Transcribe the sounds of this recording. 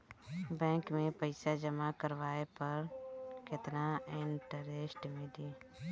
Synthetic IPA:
bɛ̃ːŋkmẽpəɪsad͡ʒəmakəɾʋaːepəɾkɪt̪naɪɳʈəɾesʈmẽd̪iː

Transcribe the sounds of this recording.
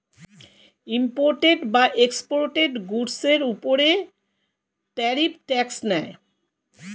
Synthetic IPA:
impoɾʈeɖbaʔekspoɾʈeɖɡuɾseɾupoɾe | ʈɛɾip̚ʈɛksnɛe

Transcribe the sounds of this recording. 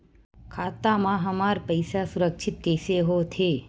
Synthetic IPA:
kʰat̪amãɦəmaɾpəjsasuɾəkʃʰɪt̪̚keseɦot̪ʰe

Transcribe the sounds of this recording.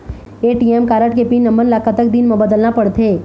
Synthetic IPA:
eːʈiɛmkaːɾəʈkepinːɐ̃mbənlaːkat̪ək̚d̪inmɐbəd̪əlnapɐɽt̪ʰeː

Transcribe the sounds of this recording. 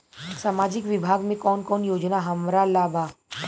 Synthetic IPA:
saːmaːd͡ʒɪkʋɪbʱaɡmẽkɔːnkɔːnjoːd͡ʒnaɦəmɾalaːbʱa

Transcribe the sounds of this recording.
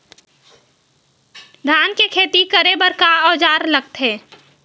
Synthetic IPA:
d̪ʱaːnkekʰeːt̪ikəɾebəɾkaɔːd͡ʒaːɾləɡ̚t̪ɦɛː

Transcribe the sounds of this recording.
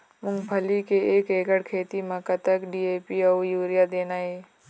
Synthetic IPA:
mʊ̃ŋɡpʰəlikeeːkeːɡəɽkʰeːt̪imãkɐt̪əkɖieːpiawjuːɾijad̪eːnaːeː

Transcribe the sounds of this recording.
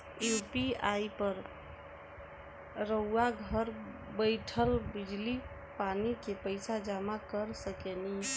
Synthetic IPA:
jupiajpəɾ | ɾəwaɡʱəɾ | bəjʈʰəlbid͡ʒli | panikepəɪsad͡ʒamakəɾsəkeni

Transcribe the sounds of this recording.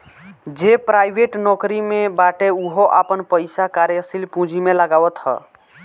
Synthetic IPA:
d͡ʒepɾajbʱeʈnɔkɾimebaʈeuɦoʔapənpəjsakaɾjəsilpũd͡ʒimeləɡawət̪ɦə̰

